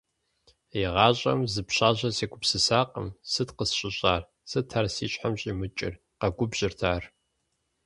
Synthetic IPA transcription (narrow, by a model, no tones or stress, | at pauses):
iʁɑːɕʼɐ̰mzɨpɕaːʑɐseːɡʷʊpsɨsaːqə̰msɨtqəsɕʼɪɕʼaːr | sɨtʰarsiːɕʼħamɕʼiːmɨt͡ʃʼɪ̰r | qɐɡʷʊbʒ̥ɪrtʰaːr